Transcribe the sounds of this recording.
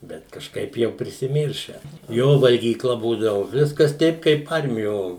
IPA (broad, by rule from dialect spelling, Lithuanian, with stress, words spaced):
ˈbʲɛt kɐʃˈkɐɪp ˈjɛʊ pʲrʲɪsʲɪˈmʲiːrʲʃʲæː ˈjoː ʋɐlʲɡʲiːˈklˠɐ ˈbuːdɐʋʊ ˈʋʲɪskɐs ˈtʲɛɪp kɐɪp ˈɐrʲmʲɪjoː